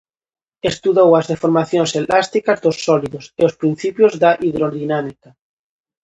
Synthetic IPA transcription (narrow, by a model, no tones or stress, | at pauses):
est̪uðowazðefoɾmaθjonselast̪ikazd̪osːɔliðoseospɾin̟θipjozðaʔiðɾoðinamika